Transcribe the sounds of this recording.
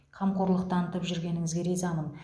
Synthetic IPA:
qʰɑmqʰoɾlˠəq̚t̪ɑnət̪əpʒʏɾɡʲe̞nɪŋɪzɡʲeɾejzɑnəm

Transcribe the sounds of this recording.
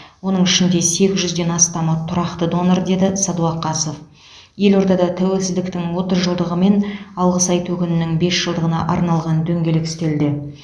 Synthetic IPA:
wo̞nəɴɪʃɪnd̪e̞se̞kʲɪzʒʏzd̪e̞nɑst̪ɑmɑt̪ʰʊɾɑqt̪əd̪o̞nəɾd̪e̞d̪ɪsɑd̪uɑqːɑso̞f | je̞lo̞ɾd̪ɑd̪ɑt̪ʰæwe̞lsɪzd̪ɪkt̪ɪŋwo̞t̪əzʒəlˠd̪əʁəme̞nɑlˠʁəsɑjt̪ʰɵkʲɪnɪnɪŋbe̞sʒ̥əlˠd̪əʁənɑ̰ʔɑ̰ɾnɑlˠʁɑnd̪ɵŋɡʲe̞lɪkɪ̥st̪e̞ld̪ɪ

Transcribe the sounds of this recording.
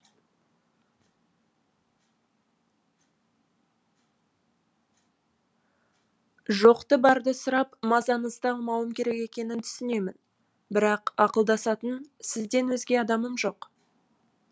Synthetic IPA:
ʒo̞qt̪əbɑɾd̪əsʊɾɑpmɑzɑnəzd̪əɑlˠmɑwəmkʲʰe̞ɾe̞ke̞kʲe̞nɪnt̪ʰʏ̥sɪne̞mɪn | bɪɾɑqɑqəlˠd̪ɑsɑt̪ənsɪzd̪e̞nwɵzɡʲe̞ɑd̪ɑməmʒo̞q

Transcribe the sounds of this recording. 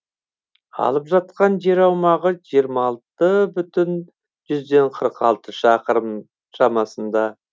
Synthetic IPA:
ɑ̰lˠəpʒɑt̪̚qɑnʒe̞ɾɑwmɑʁəʒijəɾmɑɑlˠt̪əbʏt̪ɪn | ʒʏzd̪e̞ɴqʰəɾqɑlˠt̪əʃɑqəɾəm | ʃɑmɑsənd̪ɑ

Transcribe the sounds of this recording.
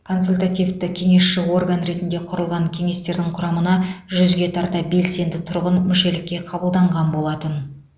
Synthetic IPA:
kʰo̞nsulʲt̪at̪ijvt̪ɪkʲʰe̞ŋe̞sʃɪwo̞rɡanɾe̞t̪ɪnd̪e̞qʰʊɾəlˠʁɑŋkʲʰe̞ŋe̞st̪e̞ɾd̪ɪŋqʰʊɾɑmənɑʒʏzɡʲe̞t̪ʰɑɾd̪ɑbe̞lse̞nd̪ɪt̪ʰʊɾʁənmɪʃe̞lɪkʲːe̞qʰɑbəlˠd̪ɑɴʁɑnbo̞lˠɑt̪ən

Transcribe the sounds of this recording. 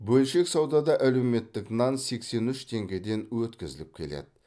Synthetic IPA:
bɵlʃe̞ksɑwd̪ɑd̪ɑʔælewme̞t̪ːɪknɑnse̞kse̞nʏʃt̪ʰe̞ŋɡʲe̞d̪e̞nwɵt̪kʲɪzɪlɪp̚kʲʰe̞lḛd̪ɪ̥

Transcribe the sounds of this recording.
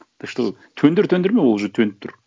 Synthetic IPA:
d̪̥əʃt̪əʁ | t̪ʰɵnd̪ɪɾt̪ʰɵnd̪ɪɾmewolˠʒət̪ʰɵnɪp̚t̪ʰʊɾ

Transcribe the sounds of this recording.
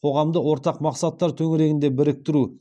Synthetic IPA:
qʰo̞ʁɑmd̪əwo̞ɾt̪ɑqmɑqsɑt̪ːɑɾt̪ʰɵŋɪɾe̞ɡʲɪnd̪e̞bɪɾɪk̚t̪ɪɾu

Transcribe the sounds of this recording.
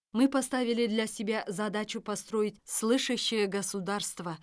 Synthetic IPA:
mɨpɐst̪avʲɪlʲɪd̪lʲasʲɪbʲazɐd̪at͡ɕʊpɐst̪ɾo̞jɪtʲslˠɨʂəɕːɪjəɡəsʊd̪arst̪və

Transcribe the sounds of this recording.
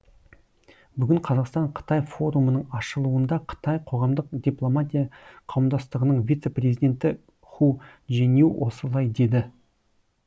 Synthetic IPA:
bʏɡʲɪɴqʰɑzɑqst̪ɑɴqʰə̥t̪ɑjfo̞ɾumənəɴɑʃəlˠuənd̪ɑqʰə̥t̪ɑjqʰo̞ʁɑmd̪əqd̪ʲiplˠo̞mat̪ʲijɑqʰɑwəmd̪ɑst̪əʁənəɴvʲijt̪se̞prʲezijd̪ʲe̞nt̪ɪ | χuʒenewwʔo̞səlˠɑjd̪e̞d̪ɪ

